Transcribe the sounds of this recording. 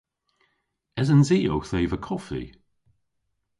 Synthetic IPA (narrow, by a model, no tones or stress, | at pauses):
ɛzənziːo̰wxθeːvəkʰɔfḭ